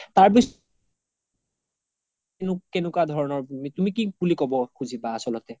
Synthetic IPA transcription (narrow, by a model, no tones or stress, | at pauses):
taɹbis | nʊkɛnʊkwadʱɔɹɔnɔɹmitumikibulikɔbɔxuzʱibaːsɔlɔtɛ